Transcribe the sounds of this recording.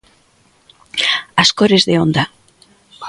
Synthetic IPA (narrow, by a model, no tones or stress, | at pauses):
askoɾezðeõnd̪a